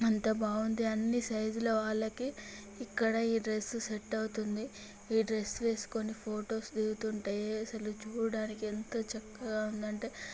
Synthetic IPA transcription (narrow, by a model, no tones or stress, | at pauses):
ɐnt̪ɐbaːɡund̪iɐnːisɐjd͡ʒulɐʋaːɭːɐkiː | kːɐɽɐiːɖɾe̞sːuseʈːɐwut̪und̪i | iːɖɾe̞sːʋe̞ːsu̥ko̞nipʰoːʈo̞ːsd̪iɡut̪uɳʈaːjeɐsɐlut͡ʃuːɽɐɽaːnikient̪ot͡ʃɐkːɐɡaːund̪ɐɳʈe̞ː